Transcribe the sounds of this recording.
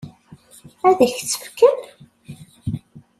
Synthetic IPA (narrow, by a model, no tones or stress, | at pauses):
æðæçt͡sːə̥fə̥kːən